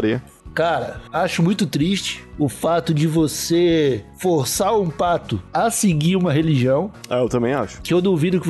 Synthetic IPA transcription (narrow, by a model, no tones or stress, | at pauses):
ɾiɐ | kaɾɐaʃʊmũj̃t̪ʊt̪ɾiʃt͡ʃɪ̥ʊfat̪ʊd͡ʒɪvosefoɾsaɾũpat̪ʊɐsɪɡiɾũmɐɦeliʒiɐ̃w̃a̰ewt̪ɐ̃mbẽj̃a̰ʃʊ̥kɪewd̪õwvĩd̪ʊkɪ